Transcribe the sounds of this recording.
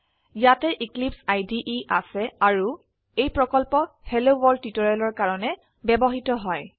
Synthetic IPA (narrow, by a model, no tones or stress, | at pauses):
jatɛʔiklipsajdiʔiʔa̰sɛaɹu | ejpɹɔkɔlpɔhelowɔɹdːitɔɹalɔɹkaɹɔnɛ | bɛbɔɦitɔɦɔj